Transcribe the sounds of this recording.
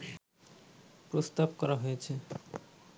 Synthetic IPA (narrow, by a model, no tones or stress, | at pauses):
pɾost̪ab̚kɔɾaɦojet͡ɕʰe